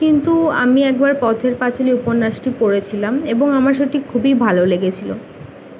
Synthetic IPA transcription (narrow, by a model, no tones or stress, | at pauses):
kint̪ua̰miɛk̚baɾpɔt̪ʰeɾpat͡ɕoliuponːaʃʈipoɽet͡ɕʰilameboŋamaɾʃ̬eʈʰikʰːubibʱaloleɡet͡ɕʰilo̰